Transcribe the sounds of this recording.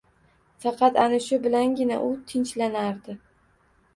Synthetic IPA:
fɑqʰɑt̪anɪʃʊbɪlanɡʲɪna̰ʔʊt̪ʰɪnt͡ʃlanaɾd̪ɪ

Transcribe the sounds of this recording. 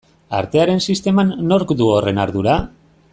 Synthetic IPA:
a̰ɾt̪e̞aɾe̞nsist̪e̞manːo̞ɾkd̪uore̞naɾðuɾa

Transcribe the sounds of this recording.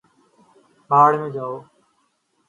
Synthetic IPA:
baːɽmẽːd͡ʒaːoː

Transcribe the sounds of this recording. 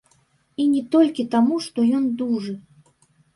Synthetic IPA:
inʲɛt̪ɔlʲkʲit̪amuʂt̪ɔjɔnd̪uʐɨ

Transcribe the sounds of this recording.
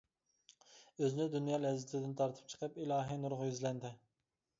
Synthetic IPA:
øzɪnɪd̪unjɑːlɛzːɪt̪ʰɪd̪ɪnt̪ʰɑɾt̪ʰə̥p̚t͡ʃʰə̥qʰəpilˠɑːɦinuɾʁʊjyzlɛnd̪ɪ

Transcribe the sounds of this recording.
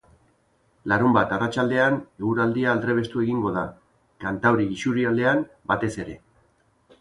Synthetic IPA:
laɾumbat̪arat͡ʃald̪e̞aneɣuɾald̪iaːld̪ɾe̞β̞e̞st̪ue̞ɣiŋɡo̞ð̞a | kant̪awɾiɡisuɾiald̪e̞an | bat̪e̞se̞ɾe̞

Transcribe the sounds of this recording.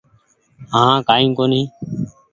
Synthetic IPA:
ɦãːkaːĩːkoːnĩː

